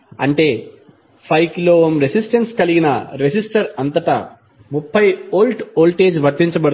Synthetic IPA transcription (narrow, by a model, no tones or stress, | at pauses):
ɐɳʈe̞ː | pʰɐjkloːmɾesisʈɐnskɐliɡinɐɾesisʈɐɾɐnt̪ɐʈɐ̰ | mupʰːɐjoːlʈoːlʈeːd͡ʒʋɐɾt̪ːiɲt͡ʃɐbɐɽu